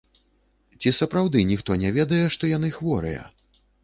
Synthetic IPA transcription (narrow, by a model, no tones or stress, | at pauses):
t͡sʲisɐpɾawd̪ɨnʲixt̪ɔnʲɛvʲɛd̪ɐjɛʂt̪ɔjan̪ɨxvɔɾɨ̰jɐ̰